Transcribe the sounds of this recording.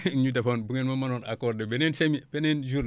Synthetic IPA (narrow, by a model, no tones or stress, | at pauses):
ɲut̬afonbuŋenmamanonakoɾdebenensemib̥enend͡ʒuɾn